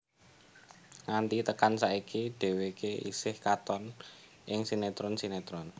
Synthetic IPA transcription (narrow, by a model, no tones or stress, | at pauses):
ŋant̪it̪əkansaikiɖ̪̥e̤wekeʔḭsɪhkat̪ɔn | ʔɪŋsinet̪ɾɔnsinet̪ɾɔn